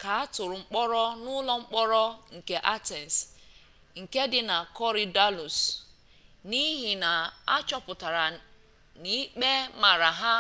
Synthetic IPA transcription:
ka˨a˦tʊ˨ɾʊ˨ŋ͡m̩˦k͡pɔ˦ɾɔ˦nʊ˦lɔ˦ŋ͡m̩˦k͡pɔ˦ɾɔ˦ŋ̩˨ke˦ʔa˦te˨n˨s | ŋ̩˨ke˦dɪ˦na˨kɔ˦ɾi˨da˦lu˨s | ni˦ɦi˨na˨a̰˦t͡ʃɔ˦pʊ˨ta˨ɾa˨ | ni˦k͡pe˦ma˨ɾa˨ɦa˦

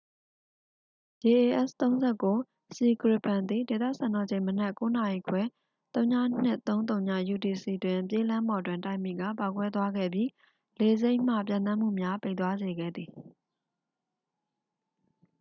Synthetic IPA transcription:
d̥e˨ʔe˨ʔɛ̰˦˨st̪õ˦ʊ̃nzɛ˦˨ko˦ | si˨kɹɪ˦pã˨nd̪i˨de˨t̪ä̰˦˨sã˨nɔ˨d͡ʑẽ˦˨ɪ̃mənɛ˦ʔko˦na˨i˨kʰwɛ˦ | t̪õ˦ʊ̃ɲä̰˦˨n̥ɪ˦ʔt̪õ˦ʊ̃nt̪õ˨ʊ̃ɲa̰˦˨ju˨ti˨si˨twɪ̃˨pje˦lã˦mbɔ˨dwɪ̃˨nta̰˦ɪ̃mḭ˦˨ɡa̰˦˨pa˨kwɛ˦t̪wa˦ɡɛ̰˦˨bji˦ | le˦ze˦ɪ̃m̥ä̰˦˨p̬jã̰˨nt̪ã˦m̥ṵ˦˨mja˦pe˦ɪʔt̪wa˦ze˨ɡɛ̰˦˨d̪i˨

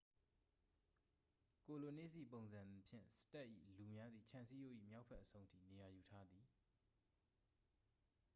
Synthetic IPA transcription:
ko˨lo˨nḛ˦˨zi˨põ˨ʊ̃nzã˨nd̪i˨pʰjɪ̰̃˦˨nsɪ̥˦ta˦ʔːḭ˦˨lu˨mja˦d̪ði˨t͡ɕʰã˨nsi˦jo˦˨ʔḭ˦˨mja˦ʊpʰɛ˦ʔːəsʰõ˦ʊ̃ntʰḭ˦˨ne˨ja˨ju˨tʰa˦d̪i˨

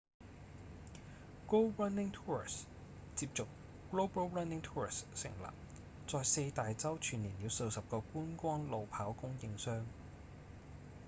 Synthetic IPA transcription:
ko˥wɹɐ˥nɪ˥ŋt̪ʰuː˥ɹi˨˩s | t͡siː˧p̚t͡sʊ˨k̚ | ɡ̥loː˥bɐ˥wɹɐ˥nɪ˥ŋt̪ʰuː˥ɹɪ̰˨˩ssɪ̰˨˩ŋla̰ː˨p̚ | t͡sɔː˧jse˧jt̪aː˨jt͡sɐ˥wt͡ʃʰyː˨˩niː˨˩njiː˨˧wso˧wsɐ˨p̚kɔː˧kuː˥nkʷɔː˥nlo˨wpʰaː˨˥wkʊ˥ŋjɪ˨˧ŋsœː˥ŋ

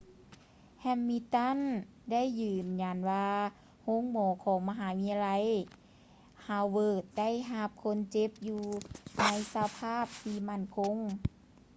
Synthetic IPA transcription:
hɛ˧mːi˧t̪a˥˨n | da˥˨jːɯː˨˩mɲa˧˩nwaː˧ | ho˧˥˨ŋmɔː˨˦kʰɔː˨˦ŋma˧ɦaː˨˦wi˧˥a˧la˧˥j | ha˧˩wwɤː˧˩t̪̚da˥˨jɦa˧p̚kʰo˧˥˨nt͡ɕe˧˦p̚juː˧na˧˥jsa˧pʰaː˥˨p̚t̪ʰiː˧ma˥˩nkʰo˧˥˨ŋ

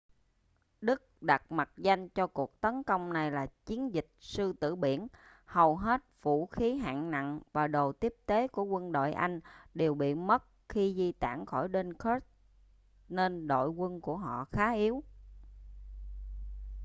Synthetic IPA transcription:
ɗɨ˦˥k̚ɗa˨˩t̚ma˨˩t̚za˧jŋ̟t͡ɕɔ˧ku˨˩ək̚t̪ə˨˦nkə˧wŋ͡mna˨˩jlaː˨˩t͡ɕi˨˦ənzï˨˩k̟̚sɨ˧t̪ɨ̰˧˩ɓḭ˧˩ən | hə˨˩wɦe˦˥t̚v̥ṵ˧˩˥xi˨˦ɦa̰ː˧˨ŋna̰˧˨nvaː˨˩ɗo˨˩t̪i˦˥əp̚t̪e˨˦ku˧˩əkwə˧nɗo̰˧˨jʔa˧jŋ̟ɗe˨˩wɓḭ˧˨mə˦˥t̚xi˧zi˧t̪a̰ː˧˩˨ŋxɔ˧˩jɗe˧nkə˦˥t̚ | ne˧nɗo̰˧˨jkwə˧nku˧˩əɦɔ̰˧˨xaː˨˦ʔi˨˦əw

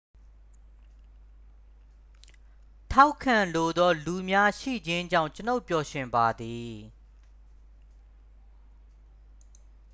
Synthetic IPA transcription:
tʰa˦ʊkʰːã˨lo˨d̪ɔ˦lu˨mja˦ʃḭ˦˨d͡ʑɪ̃˦ɲd͡ʑã̰˦˨ʊ̃t͡ɕə˦no˦ʊpjɔ˨ʃɪ̃˨mba˨d̪i˨

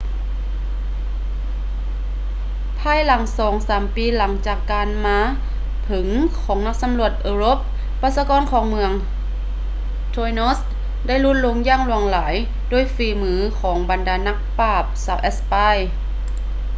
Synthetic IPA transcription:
pʰaː˧˨jla˨˩˦ŋsɔː˨˩˦ŋsaː˨˩˦mpiː˨˦la˩˦ŋt͡ɕaː˨˩kːaː˧nmaː˧˥ | pʰɯ˩˦ŋkʰɔː˩˦ŋna˧˥k̚sa˧˦mlu˧˩ət̪̚ʔɤː˧loː˧˥p̚ː | aː˧˩t̪̚saː˧kɔː˧˨nkʰɔː˩˦ŋmɯ˧əŋ | t̪ʰoː˧jno˧˥s | da˥˩jlu˦˥t̪̚lo˧˥ŋjaː˧˩˨ŋlu˧˩əŋlaː˩˦j | doː˧˩əjfiː˨˩mɯː˨˦kʰɔː˩˦ŋba˨ndaː˨˩na˧˥k̚paː˧˩p̚saː˧˩wʔɛ˧˥spa˧˥˩j

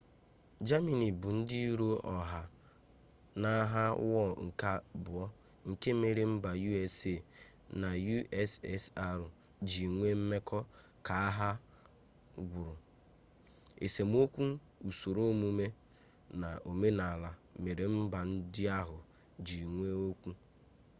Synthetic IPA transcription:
d͡ʒa˦mi˨ni˨bu˨n̩˦di˦i˦ɾo˦ɔ˨ɦa˨ | na˦ɦa˦wɔ˦˨ŋ̩˨ka˦bʊ˨ɔ˦ | ŋ̩˨ke˦me˨ɾe˨m̩˦ba˨ju˦e˦se˨ | na˨ju˦ɛ˦sɛ˦sa˦ɾʊ˨ | d͡ʒi˨ŋʷe˦m̩˦me˦kɔ˦ | ka˨a˦ɦa˦ | ɡʷʊ˨ɾʊ˨ | ḛ˨se˨m˦o˦kʷu˦ | u˨so˨ɾo˦mu˦me˦ | na˨o˨me˦na˨la˨me˨ɾe˨m̩˦ba˨n̩˦dɪ˦a˦ɦʊ˨ | d͡ʒi˨ŋʷe˦o˦kʷu˦

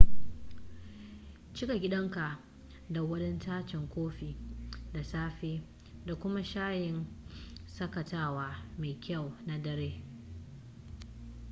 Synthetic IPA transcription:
t͡ʃɪ˦ka˨ɡʲɪ˦ɗɐ˦ŋka˨ʔ | da˨wɐ˦dɛ˦ntaː˦t͡ʃɪ˨ŋkʷoː˦ɸiː˨da˨saː˦ɸeː˦ | da˨kʷʊ˦ma˦ʃaː˦jɪ˨n | sɐ˦kɐ˨taː˦waː˦meː˨jkʲʰɐ˦˨wna˨dɐ˨ɾeː˦

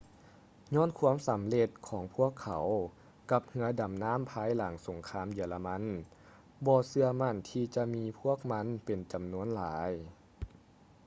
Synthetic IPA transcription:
ɲɔː˧˥˨nkʰu˧˥əmsa˨˦mle˧t̪̚kʰɔː˩˦ŋpʰu˧˥˩əkʰːa˩˦w | ka˧˦p̚hɯ˧˦ɐda˨˩mnaː˧˥˨mpʰaː˧˥jla˩˦ŋso˨˦ŋkʰaː˧˥˨mjiː˧˩əla˧ma˧˥n | bɔː˧sɯ˧ɐma˧˥˨nt̪ʰiː˧t͡ɕa˧miː˧pʰu˥˩ək̚ma˧˥˨npe˨˩nt͡ɕa˨˩mnu˧˥ənlaː˩˦j

